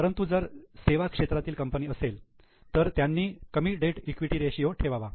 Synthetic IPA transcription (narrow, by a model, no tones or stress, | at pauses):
əɾənt̪ud͡zəɾseʋakʂet̪ɾat̪iːlkəmpəniːəsel | t̪əɾt̪janːiːkəmiːʈɖeʈikʋiʈiːɾeɕijoʈʰeʋaʋa